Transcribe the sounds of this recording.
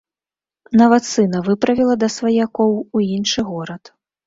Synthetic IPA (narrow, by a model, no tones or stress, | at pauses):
navɐt̪sɨnɐvɨpɾɐvʲilˠɐd̪ɐsvɐjakɔwuinʂɨɣɔɾɐt̪